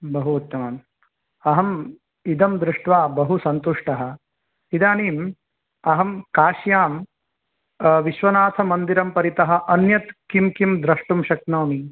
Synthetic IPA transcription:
bɐɦuːt̪ːɐmɐm | ɐɦɐm | id̪ɐmd̪ɾuʂʈʋaːbɐɦusɐnt̪uʂʈɐɦɐ̆ | id̪aːniːm | ɐɦɐmkaːʃjaːm | ʋiʃʋɐnaːt̪ʰɐmɐnd̪iɾɐmpɐɾit̪ɐɦɐ̆ʔɐnjɐt̪kimkimd̪ɾɐʂʈumʃɐk̚nɐːni

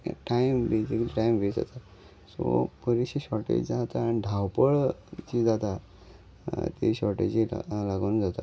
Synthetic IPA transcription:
ʈajmbesikəliːʈajmʋed͡za̰t̪a | sopəɾiɕiɕɔʈḛd͡ʑd͡zat̪aːniɖʱawpəɭt͡ɕid͡zat̪a | t̪ḭɕɔɾʈed͡ʑḭlaɡonund͡zat̪a̰

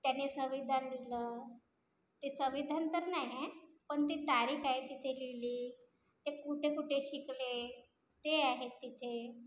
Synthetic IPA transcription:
t̪janisəʋid̪ʱanliləː | t̪esəʋid̪ʱant̪əɾnaɦiẽ | pəɳt̪it̪aɾiːkaɦik̪it̪ʰeliliː | t̪ekuʈʰekuʈʰeɕikle | t̪eaɦet̪ːit̪ʰe

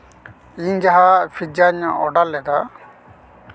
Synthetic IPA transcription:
ind͡ʒaɦafʰid͡ʒaɲaɔɖalːɛd̪a

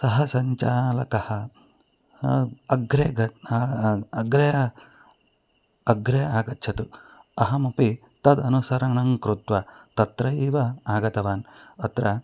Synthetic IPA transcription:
sɐɦɐsɐɲt͡ʃaːlɐkɐhɐ | ɐɡɾeɡɐ | ɐɡɾej | ɐɡɾejaːɡɐt̪ːt͡ʃʰɐt̪uɐɦɐmɐpi | t̪ɐd̪ɐnusɐɾɐɳɐŋkɾut̪ʋɐt̪ɐt̪ɾɐiːʋɐaːɡɐt̪ɐʋaːnɐt̪ɾɐ

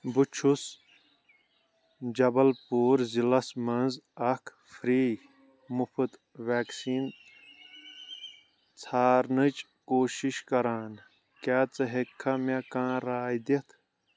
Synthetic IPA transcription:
but͡ʃʰus | d͡ʒɐbɐlpuːɾzilɐsmɐnzɐkʰ | fɾiː | mupʰɨt̪ | ʋaːksiːn | t͡sʰaːɾnɨt͡ʃ | koːʃiʃkɐɾaːn | kaːt͡sɐɦekʰːɐmekãːɾaːjd̪it̪ʰ

